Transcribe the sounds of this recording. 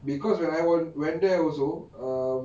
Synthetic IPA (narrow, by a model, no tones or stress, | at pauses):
bikɔswɛ̃naɪwɔnwɛ̃ndeɔlso